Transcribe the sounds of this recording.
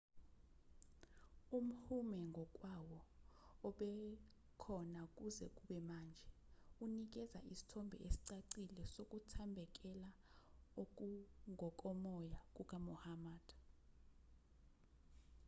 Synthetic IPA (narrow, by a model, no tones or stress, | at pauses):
um̩humɛŋɡʱɔk̬ʼwawɔː | ɓɛ | kʰɔnak̬ʼuzɛk̬ʼuɓɛmaːnd͡ʒʱɛ | unik̬ɛza̰ʔisi̥tʰɔmbʱɛ̰ʔesi̥ǀaǀilɛsok̬ʼutʰambʱɛk̬ʼɛlaok̬uŋʱɔkʼɔmɔjak̬ʼuk̬ʼamɔhamaːd̥